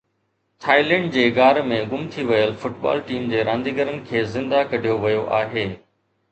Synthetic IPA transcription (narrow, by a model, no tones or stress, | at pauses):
t̪ʰaːilɛ̃ːɳɖd͡ʑeːɡaːɾmẽɡʊmt̪ʰiʋɐjəlfʊʈba̰ːlʈiːmd͡ʑeːɾãːnd̪iːɡəɾənɪ̆kʰeːzɪ̃nd̪akɐɽ̤ʱijoʋɐjoʔaːɦeː